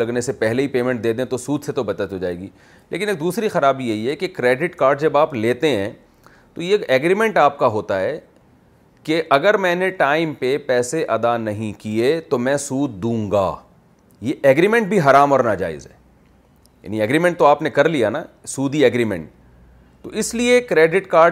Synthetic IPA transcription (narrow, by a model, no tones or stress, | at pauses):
ɐɡnesepɛɦleɦipeːmɛ̃ɳʈ̚d̪eːd̪ẽt̪osuːd̪set̪obɐt͡ʃ̪ət̪ɦoːd͡ʒa̰ːḛːɡiː | lḛːkɪneːk̚d̪uːsɾixɐɾaːbijeɦiɦɛkekɾeːɖɪʈkaːɾɖd͡ʒɐbaːpleːt̪eɦɛ̃ː | t̪ojeɛːɡɾimɛ̃ɳʈaːp̚kaɦoːt̪aɦɛː | keʔɐɡəɾmɛ̃ːneʈaːɪmpepɛːseʔɐd̪anɐɦĩkiet̪omɛ̃ːsuːd̪̚d̪ũːŋɡa̰ː | jeʔɛːɡɾimɛ̃ɳʈ̚bʱiɦɐɾaːmɔːɾnad͡ʒa̰ːɪ̰zɦɛ̰ː | ja̰ːniɛːɡɾiːmɛ̃ɳʈt̪oaːpnekɐɾlijanasuːd̪iɛːɡɾimɛ̰̃ɳʈ | t̪o̰ɪsliekɾeːɖɪʈkaːɾ